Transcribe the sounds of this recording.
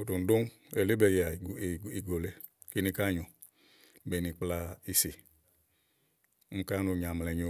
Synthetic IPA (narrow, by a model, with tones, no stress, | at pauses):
o˨do˨n̩˨do˦ŋ˦ | ɛ˨le˦bɛ˨ja˨i˨ɡo˨lɛ˨ | ki˦nĩ˧ka˦ɲo˨˦ | bɛ˨ni˨k͡pla˧i˧se˨˦ | ŋ̩˦ka˦nu˧˨ɲa˨mlɛ˨ɲo˨